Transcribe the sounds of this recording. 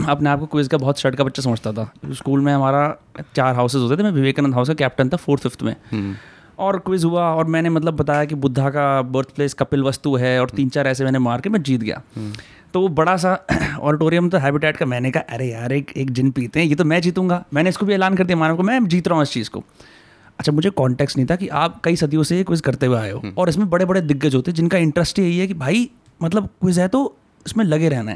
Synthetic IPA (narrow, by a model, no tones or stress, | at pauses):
ɐpneaːp̚kokʊɪzkabɐɦt̪ʃɐɽkabɐtːʃʰas̬ɐməd͡ʒt̪at̪ʰaskuːlmẽɦɐmaːɾat͡ʃaːɾɦaːʊsɪzɦoːt̪at̪ʰemɛ̃ʋɪʋeːkənənd̪ɦaʊskakɛːp̚ʈənt̪ʰafoːɾt̪ʰfɪft̪ʰmḛ̃ː | ɔːɾkʊɪzɦuaɔːɾmɛ̃ːnemɐt̪̬ləbːɐt̪aːjakibʊd̪ʱːakabəɾt̪ʰpleːskɐpɪlʋɐst̪uɦɛɔːɾt̪iːnt͡ʃaːɾɛːs̬emɛ̃ːnemaːɾkemɛ̃d͡ʒiːt̪ɡɐja̰ː | t̪oːʋobɐɽas̬aɔ̰ːɾɪʈoːɾijə̃mt̪oɦɛːbɪʈɛːʈkamɛ̃ːnekaɦaʔɐɾejaːɾeːkeːk̚d͡ʒɪnpiːt̪eɦɛ̃jeːt̪̬omɛ̃ːd͡ʒiːt̪ũːŋɡaːmɛ̃ːneɪskobʱieːlaːnkɐɾd̪ijamaːnkomɛ̃ːd͡ʒiːt̪ɾaːɦũɪst͡ʃiːzko̰ː | ɐtːʃʰamʊd͡ʒʱekɔ̃ːɳʈɛːksʈnɐɦĩt̪ʰakiʔaːp̚kɐisɐd̪ʱijõsekwɪzkɐɾt̪eweaːeo̰ːɔːɾɪsmẽbɐɽebɐɽed̪ɪɡːəd͡ʒɦoːt̪eɦɛ̃d͡ʒɪnkaɪ̃ɳʈɾəsʈiɐɦiɦɛkibʱaːi | mɐt̪ləbkwɪzɦɛt̪o | ɪsmẽlɐɡeɾɛɦna̰ɦɛ̰ː